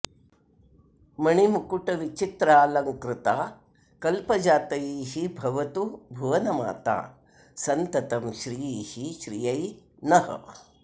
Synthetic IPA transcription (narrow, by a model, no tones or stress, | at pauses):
mɐɳimukuʈɐʋit͡ʃit̪ɾaːlɐŋkɾɪt̪aː | kɐlpɐd͡ʒaːt̪ɐjiːɦibʱɐʋɐt̪ubʱuʋɐnɐma̰ːt̪a̰ː | sɐnt̪ɐt̪ɐmʃɾiːjiːhiʃɾijɐjnɐhɐ̰